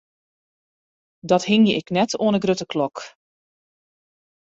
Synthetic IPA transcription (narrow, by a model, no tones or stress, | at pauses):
dɔthɪŋjəɪknɛtoənəɡrøtəkʰlɔk